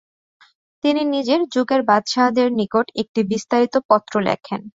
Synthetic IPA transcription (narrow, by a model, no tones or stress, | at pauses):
t̪ininid͡ʑeɾd͡ʑuɡeɾbad̪ʃad̪eɾnikoʈek̚ʈibist̪aɾit̪opɔt̪ːɾolɛ̰kʰḛn